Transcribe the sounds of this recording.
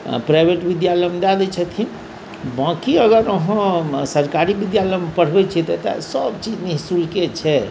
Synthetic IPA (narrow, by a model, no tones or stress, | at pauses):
pɾajbʱeʈbid̪jaləjmd̪ad̪ɛt͡ʃʰət̪ʰin | bãkiəɡəɾəɦə̃səɾkaɾibid̪jaləjmepəɽ̤bɛt͡ʃʰɛt̪ɛt̪a̰səbt͡ʃid͡ʒniɦsulket͡ʃʰɛ